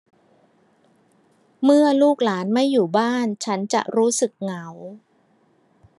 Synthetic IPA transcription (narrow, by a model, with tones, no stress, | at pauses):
mɯ˥˩ɐluː˥˩k̚laː˩˦nma˥˩jːuː˨˩baː˥˩nt͡ɕʰa˦˥nt͡ɕa̰˨˩ʔɾuː˦˥sɯ˨˩k̚ŋa˩˦w